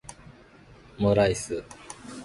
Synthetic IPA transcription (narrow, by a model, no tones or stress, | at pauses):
moɾaisɨ